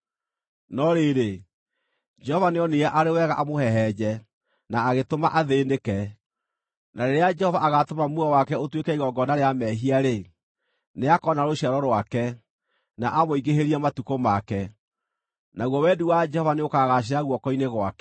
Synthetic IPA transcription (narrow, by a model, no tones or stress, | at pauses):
nɔɾeɾe | d͡ʒɛhɔvaneɔneaʔaɾewɛɣaʔamohɛɦɛd͡ʑɛ | naːɣetoma̰ʔaðeːndekɛ | naɾeɾead͡ʒɛhɔvaaɣatomamuawakɛotwekɛiɣɔɡɔnaɾeamɛɦiaɾe | neakɔnaɾoɕaɾɔɾwakɛ | naʔamoiɡeɦeɾiamatukomakɛ | naɣwɔwɛduwad͡ʒɛhɔvaneokaɣaɕ̬eɾaɣwɔkɔineɣwa̰kɛ̥